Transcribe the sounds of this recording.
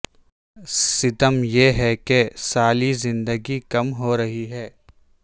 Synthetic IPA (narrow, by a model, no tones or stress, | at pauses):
sɪd̪əmjeɦɛkesaːlizɪ̃nd̪əɡikɐmɦoːɾɐɦiɦɛː